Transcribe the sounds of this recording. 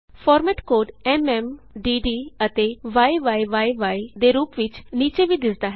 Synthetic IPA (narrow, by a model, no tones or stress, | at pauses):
pʰɔːɾmɛːʈkoːɖɛːmɛːmɖiːɖiːət̪eːʋaːiʋaːiʋaːiʋaːid̪eːɾuːpʋɪt͡ʃniːt͡ʃeːʋiːd̪ɪsd̪aːɦɛ